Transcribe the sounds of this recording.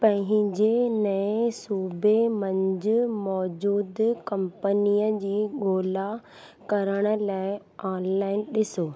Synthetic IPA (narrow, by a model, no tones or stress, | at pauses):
pɐ̃ɦɪ̃ɦɪ̃ɲd͡ʑenɐẽsuːbemɐ̃ɲd͡ʑʊmɔːd͡ʑuːd̪kɐ̃mpənijəd͡ʑiːɠoːla | kɐɾəɽ̃ə̆laːɪ | aːnlaːɪnɗɪsoː